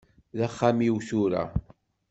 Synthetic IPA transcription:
ðæχːamiwθuɾa̰

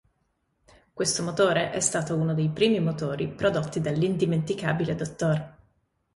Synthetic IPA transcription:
kwest̪omot̪oːɾeʔɛst̪aːt̪ounod̪ejpɾiːmimot̪oːɾipɾod̪ot̪ːid̪elːind̪iment̪ika̰ːbiled̪ot̪ːoːr

